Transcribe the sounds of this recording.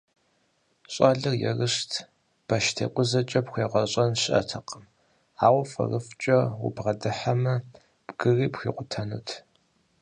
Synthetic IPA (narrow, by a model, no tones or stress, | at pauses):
ɕʼaɮɨrjɛ̰rɨɕtʰ | b̥ɐʃtʰḛqʷʼʊzɐt͡ʃʼɐpxʷeːʁɐɕʼɐnɕʔɐ̰tʰɐqəm | aːwɐfɐ̰rɨft͡ʃʼɐwʊ̰bʁɐdɨħamɐ | pʼɡɨriːpxʷiːqʷʊtʰɐnṵtʰ